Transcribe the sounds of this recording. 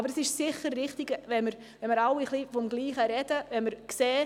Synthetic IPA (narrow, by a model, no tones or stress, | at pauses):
bəɾəsɪʃsɪχəɾːɪχtɪɡvɛnməɾ | ɛnməɾɑwiχlifɔmɡliːχəɾɛdəvɛnməɾkseː